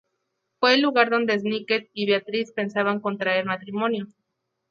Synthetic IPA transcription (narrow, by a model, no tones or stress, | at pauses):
fwe̞ːlːuɣaɾðo̞nd̪e̞z̬niket̪̚iβeat̪ɾispe̞nsaβaŋko̞nt̪ɾaeɾmat̪ɾimo̞njo̞